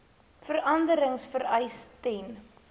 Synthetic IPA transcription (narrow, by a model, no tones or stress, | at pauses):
fəɾɐndəɾəŋsfəɾɛjstɛn